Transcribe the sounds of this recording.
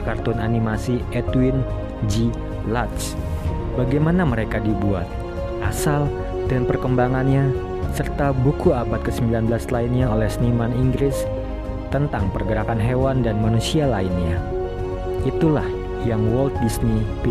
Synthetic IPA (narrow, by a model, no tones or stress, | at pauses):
kart̪ɔnanimasiɛt̪win | d͡ʒi | lat̪sbaɡajmanaməɾekadibua̰t̪̚ | ʔasal | danpərkəmbaŋanɲa | sərt̪abukuabat̪̚kəsəmbilanbəlaslainɲaolɛhsnimaniŋɡɾɪs | t̪ənt̪aŋpərɡəɾakanɦewandanmanusialainɲa | ʔit̪ulah | jaŋwɔlt̪̚disnipi